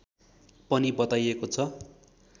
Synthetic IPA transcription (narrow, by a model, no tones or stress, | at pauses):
pʌnibʌt̪ajekot͡sʰʌ